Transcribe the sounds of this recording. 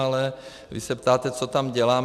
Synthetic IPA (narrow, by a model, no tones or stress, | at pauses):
alɛ | vɪ̰sɛpt̪aːt̪ɛt͡sot̪amɟɛlaːm